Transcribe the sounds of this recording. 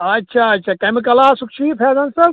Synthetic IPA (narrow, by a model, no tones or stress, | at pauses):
ɐtːʃʰaɐtːʃʰakemikɐlasukt͡ʃʰipʰeːzɐnsɐ